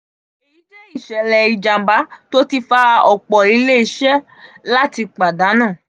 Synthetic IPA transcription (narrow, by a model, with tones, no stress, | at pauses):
e˨i˦d͡ʒe˦i˦˨ʃɛ˨lɛ˨i˨d͡ʒã˨m˨ba˨˦to˦ti˧fa˦˧ɔ˨k͡pɔ˨i˨˧le˦i˧˦ʃɛ˦ | la˦ti˧k͡pa˨da˨˦nãː˦˨